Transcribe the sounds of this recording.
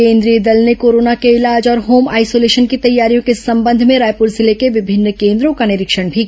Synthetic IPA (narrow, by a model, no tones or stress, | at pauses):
ẽːnd̪ɾijed̪əlnekoːɾoːnakeɪlaːd͡ʒɔːɾɦoːmaːɪsoːleːʃənkit̪ɐjːaːɾijõkesɐ̃mbə̃nd̪ʱmẽɾaːjpuːɾzɪlekeʋɪbʱɪnːkẽːnd̪ɾõkanɪɾɪkʃəɽ̃bʱi